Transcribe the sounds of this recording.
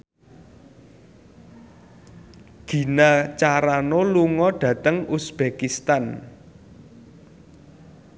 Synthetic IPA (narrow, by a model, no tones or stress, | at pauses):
ɡ̥i̤nat͡ʃaɾanoluŋɔɖ̥ä̤t̪əŋusb̥ekist̪an